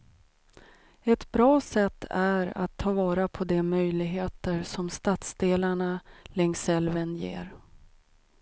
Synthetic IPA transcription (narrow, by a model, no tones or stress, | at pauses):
ɛt̪bɾɑːsɛt̪ʰːæɾa̰t̪ʰːɑːvɑːɾapʰɔd̪ɛmœjlɪɡɦeːt̪əɾsɔmst̪at̪sd̪eːlaɳalɛŋsɛlvənjḛːɾ